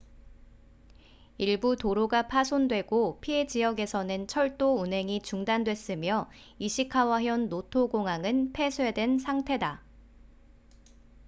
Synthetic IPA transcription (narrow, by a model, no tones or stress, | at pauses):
iɭbutoɾoɡapʰasʰondwe̞ɡopʰie̞d͡ʑijʌɡe̞sʰʌnɯnt͡ɕʰʌɭt͈ounɦe̞ŋit͡ɕuŋdandwe̞s͈ɯmjʌ | iɕʰikʰawaɦjʌnːotʰoɡoŋaŋɯnpʰe̞sʰwe̞dwe̞nsʰaŋtʰe̞da